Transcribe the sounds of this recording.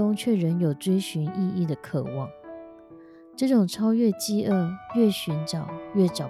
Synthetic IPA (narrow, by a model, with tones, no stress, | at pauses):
ʊ˥ŋt͡ɕʰɥɛ˥˩ɻə˧˦˥njo˨˩ʊt͡swe˥ɪɕy˧˥ni˥˧i˥˩d̪ə˩kʰɤ̰˨˩wɑ˥˩ŋ | ʈ͡ʂɤ˥˩ʈ͡ʂʊ˨˩ŋʈ͡ʂʰɑ˥ʊɥɛ˥˧t͡ɕi˥˧ʔə˥˧ɥɛ˥˩ɕy˧˦˥nʈ͡ʂɑ˨˩ʊɥɛ˥˩ʈ͡ʂɑ˨˩